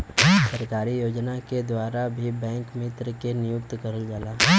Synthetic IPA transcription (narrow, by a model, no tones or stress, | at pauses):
səɾkaːɾijoːd͡ʒnaked̪waːɾabʱibɛ̃ːŋkmɪt̪ɾkenɪjʊkt̪kɐɾəld͡ʒaːlaː